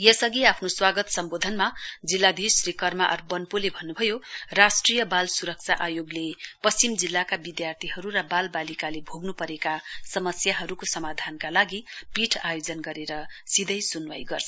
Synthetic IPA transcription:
jʌsʌɡiapʰnoswaɡʌt̪sʌmbod̪ʱʌnmad͡zilːad̪ʱisɾikʌrmaʔʌ̰rbʌnpulebʱʌnːubʱʌjorasʈrijʌbalsuɾʌk̚t͡sʰaʔajoɡlepʌst͡simd͡zilːakabid̪jart̪ʰiɦʌɾuɾʌbalbalikalebʱoɡnupʌɾekasʌmʌsjaɦʌɾukosʌmad̪ʱankalaɡipiʈʰajod͡zʌnɡʌɾeɾʌsid̪ʱʌjsunwajɡʌrt͡sʰ

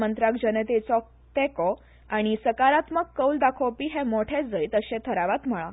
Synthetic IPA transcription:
mənt̪ɾakd͡ʑənət̪et͡sɔk̚ | t̪ɛkɔ | aɽ̃isəkaɾat̪məkːəwld̪akʰɔpiɦɛ̃moʈʰed͡zəjt̪əɕẽt̪ʰəɾaʋat̪m̤əɭa

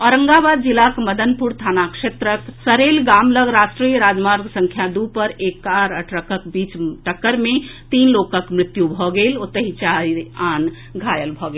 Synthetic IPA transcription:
ɔːɾə̃ŋɡabaːd̪d͡ʒɪlakməd̪ənpuɾt̪ʰaːnakʃeːt̪ɾəksəɾeːlɡaːmləɡɾaːsʈɾijəɾaːd͡ʒmaːɾɡsə̃ŋkʰjad̪upəɾeːkːaɾəʈʰɾəkəkbiːt͡ʃʈəkːəɾmẽt̪iːnloːkəkmɾɪt̪jubʱɔɡeːlot̪ɐɦit͡ʃaiaːn | ɡʱaːjəlbʱɔɡeːl

